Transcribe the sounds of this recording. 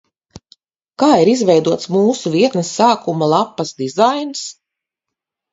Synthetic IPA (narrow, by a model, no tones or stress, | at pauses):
kaːiɾizvɛjd̪uɔt̪smuːsuviɛt̪nəsːaːkumalˠapːɐsd̪izajns